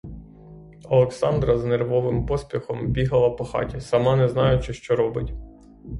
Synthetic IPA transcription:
ɐlˠeksɑnd̪ɾɐznerʋɔʋɪmpɔsʲpʲixɔmbʲiɦɐlˠɐpɔxɑ̰tʲisɐmɑnɛznɑjʊt͡ʃɪʃt͡ʃɔɾɔbɪtʲ

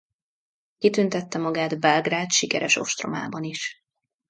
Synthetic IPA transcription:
kit̪ynt̪ɛt̪ːɛmɒɡaːd̪bɛlɡraːt̪ʃikɛɾɛʃo̞̰ʃt̪ro̞̰ma̰ːbɒniʃ

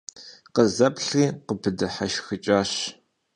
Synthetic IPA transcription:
qəzɐpɬiːqəpʰɨdɨħaʃxɨt͡ʃʼaːɕ

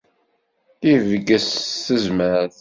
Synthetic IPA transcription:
θivəɡəsθəzməɾθ

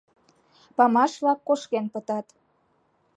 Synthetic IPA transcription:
pɑmɑʃβlɑkːoʃkenpət̪ɑt̪

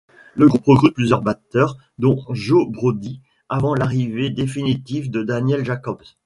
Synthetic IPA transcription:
ləɡʁupʁəɡʁyt̪̚plyzjœʁbat̪œʁ | d̪ɔ̃ʒobʁod̪i | avɑ̃laʁived̪efinit̪ivd̪əd̪anjɛlʒakɔb

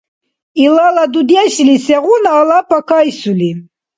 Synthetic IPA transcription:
ilalad̪ud̪jɛʃilisɛʁunaːlapʰakʰajsuli

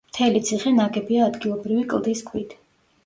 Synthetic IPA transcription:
mt̪ʰɛlit̪sʰiχɛnaɡɛbiaːd̪ɡilˠɔbɾivikʼlˠd̪iskʰwit̪ʰ

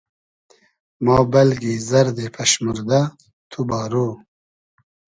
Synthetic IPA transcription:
mɑːbɐlɡizɐɾd̪epʰɐʃmuɾd̪a | t̪ʰubɑːɾoː

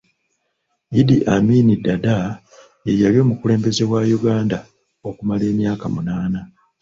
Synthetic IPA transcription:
idiʔaminidada | jejaljo̞ːmukuleːmbe̞ze̞wajuɡaːnda | o̞kumale̞ːmjaːkamunaːna

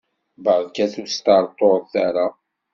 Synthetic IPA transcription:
bəʁðkæθust̪aɾˤt̪ˤoθaɾa

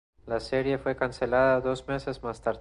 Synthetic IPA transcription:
laseɾje̞fwe̞kanse̞laðaðo̞zme̞se̞zmast̪aɾ

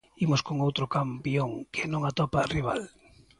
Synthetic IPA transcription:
imʊskoŋowt̪ɾokampjoŋkʰɪnõŋat̪ɔpariβ̞a̰l

